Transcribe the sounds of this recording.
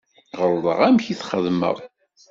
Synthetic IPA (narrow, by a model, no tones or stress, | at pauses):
ʁəɾðˤə̰ʁæmçiθχəðmə̰ðˤ